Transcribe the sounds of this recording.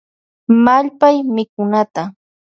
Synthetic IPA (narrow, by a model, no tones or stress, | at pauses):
maʎpajmɪkʊnat̪a